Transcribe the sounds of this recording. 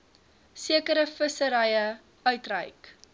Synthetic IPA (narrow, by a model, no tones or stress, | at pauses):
siəkəɾəfəsəɾɛjə | œɥtrə̰jk